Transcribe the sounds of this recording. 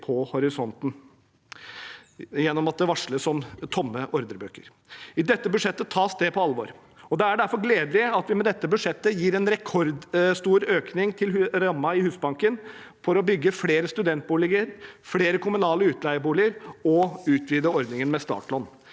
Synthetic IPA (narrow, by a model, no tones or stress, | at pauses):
pʰɔhɔɾɪsɔnt̪n̩ | jɛnːɔmɑt̪̚d̪ɛʋɑʂləsɔmt̪ʰɔmːəʔɔɾd̪əɾbøːkə̰ɾ | ɪd̪ɛt̪ːəbʉʂɛt̪ːət̪ʰɑːst̪eːpʰɔɑlːʋɔ̰ːɾ | ɔd̪ɛæɖæɾfɔɾɡleːd̪əlɪəɑt̪ʋɪmɛd̪ɛt̪ːəbʉʂɛt̪ːəjiːɾɛnɾɛkʰɔɾd̪st̪uːɾøːknɪŋt̪ʰɪlɾɑmːɑɪhʉːsbɑŋkən | fɔɾɔbʏɡːəfleːɾəst̪ʉd̪ɛnt̪̚buːlɪɡəɾfleːɾəkʰʊmʉnɑːləʉːt̪ʰlæɪəbuːlɪəɾɔʉːt̪ʰʋiːd̪əɾɔɾd̪nɪŋənmɛst̪ɑ̰ːʈlɔnː